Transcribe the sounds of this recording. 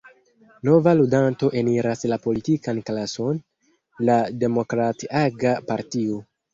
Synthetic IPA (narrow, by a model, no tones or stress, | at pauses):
no̞valudanto̞ʔe̞niɾaslapo̞litikanklaso̞n | lade̞mo̞kɾatiaɡapaɾtio̞